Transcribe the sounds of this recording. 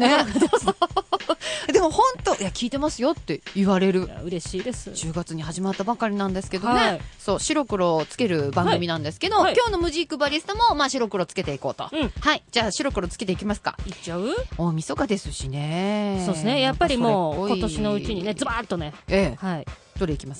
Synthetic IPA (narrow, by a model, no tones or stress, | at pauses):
n | d̪e̞mo̞hõ̞nt̪o̞ʔiakʲiːt̪e̞masɨjo̞t̪ːe̞iβaɾe̞ɾɯ̟ja̰ɯ̟ɾe̞ɕiːd̪esɨd͡ʑɨːɡat͡sɨɲ̟ihaʑimat̪ːabakaɾʲinãnd̪esɨ̥ke̞d̪oneso̞ːɕiɾo̞kɯ̟ɾo̞t͡sɨ̥ke̞ɾɯ̟bãŋɡɡɯmʲinãnd̪e̞sɨ̥ke̞d̪o̞kʲo̞ːno̞mɯ̟ʑiːkːɯ̟baɾʲisɨ̥t̪omo̞maːɕiɾo̞kɯ̟ɾo̞t͡sɨ̥ke̞t̪e̞iko̞ːt̪o̞̰ɯ̃haid͡ʑaːɕiɾo̞kɯ̟ɾo̞t͡sɨ̥ke̞t̪e̞ikʲimasɨ̥ka̰it͡ɕːaɯ̟omʲiso̞kad̪e̞sɨɕine̞sosnejapːaɾʲioːɡoiot̪o̞ɕino̞ɯ̟t͡ɕiɲ̟inezɨbaːt̪ːone̞eːhait̪o̞ɾʲeikʲimasɨ̥